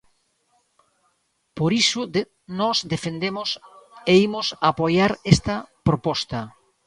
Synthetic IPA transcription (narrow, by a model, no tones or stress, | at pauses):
poɾisʊ | nɔsd̪efend̪emʊseimʊsapojaɾest̪ɐpɾopɔst̪ɐ